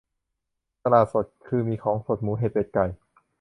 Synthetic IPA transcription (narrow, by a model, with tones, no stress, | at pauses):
t̪a˧laː˨˩t̪̚so˨˩t̪̚kʰɯː˧miː˧kʰɔː˩˦ŋso˨˩t̪̚muː˨˦ɦeː˧˨˩peː˨˩t̪̚ka˨˩j